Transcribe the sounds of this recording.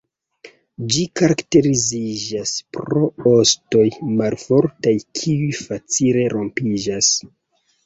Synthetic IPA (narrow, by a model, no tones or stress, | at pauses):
d͡ʒikaɾakte̞ɾizid͡ʒaspɾo̞o̞sto̞jmalfo̞ɾtajkʰiujfat͡sile̞ɾʔo̞mpid͡ʒas